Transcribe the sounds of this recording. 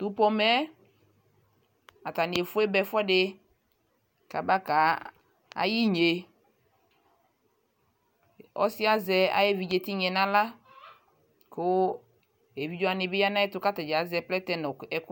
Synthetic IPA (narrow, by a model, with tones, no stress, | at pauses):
t̪u˨˦pɔ˦mɛ˦ | a˨t̪a˨ni˨e˨fʊ˦e˦bɛ˨fɔ˦ɖe˦ | ka˨ba˦ka˨˦ | a̰˨ji˦ɲe˨ | ɔ̰˦si˦a˦zɛ˨a̰˨je˦vi˨d͡ʒe˨t̪i˦ɲɛ˨nã˦la˦ | ko˦ | e˨vi˨˦d͡ʒɔ˦a˨nɪ˨bɪ˦ja˦nã˦e˦t̪ʊ˦ka˦t̪ɛ˨d͡ʒa˨zɛ˨plɛ˦t̪ɛ˦nɔ˨ɛ˨k